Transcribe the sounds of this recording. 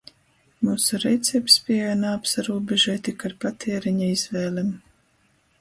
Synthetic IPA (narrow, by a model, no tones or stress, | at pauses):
muːsuɾɛjt̪sɛbspʲiɛjanaːpsaɾuːbʲeʒɛt̪ikaɾpat̪ʰɛɛɾiɲaizvɛːlʲɛm